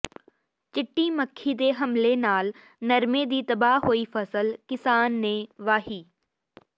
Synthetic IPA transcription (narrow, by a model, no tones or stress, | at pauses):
t͡ʃɪʈːiːməkʰːid̪eːɦɐmlenaːl | nɐɾmẽd̪iːt̪ɐbaɦoːifɐsəlkɪsaːnːẽːʋaːɦiː